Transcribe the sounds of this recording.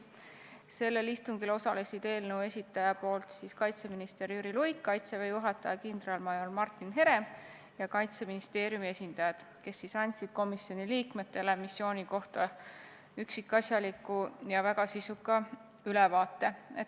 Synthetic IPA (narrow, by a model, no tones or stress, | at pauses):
se̞lːe̞list̪uŋɡilo̞sɑle̞sʲid̪̥e̞ːlnəue̞sʲit̪ːˑɑjɑpo̞ːlt̪siːskɑjt̪se̞minist̪e̞ɾjyɾilujkːɑjt̪sevejuɦɑt̪ːˑɑjɑkind̪rɑlmɑjolmɑrt̪ːˑinɦe̞ɾe̞ | jɑkɑjt̪se̞minist̪e̞ːɾjumie̞sʲind̪̥ɑjɑd̪̥ | ke̞sːisɑnʲt̪ʲsid̪̥̚ko̞misjo̞nʲiliːkme̞t̪ːe̞le̞misːjo̞ːnʲiko̞ht̪ɑ | yksikːˑɑsjɑlikːˑujɑvæɡ̥ɑsisukːˑɑ | ylɛvɑːt̪ˑːe̞et̪